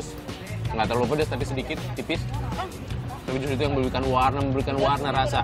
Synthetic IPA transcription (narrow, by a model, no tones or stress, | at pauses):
ʊs | ŋɡat̪arlupadʊst̪apisədikɪt̪ːipɪs | t̪apid͡ʒʊsit̪̬ujaŋməbəɾikanwarnaməmbəɾikanwarnaɾasa